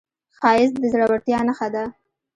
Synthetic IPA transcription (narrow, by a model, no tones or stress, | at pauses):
xɑjɪsd̪əzɽawaɽt̪jɑnaxad̪a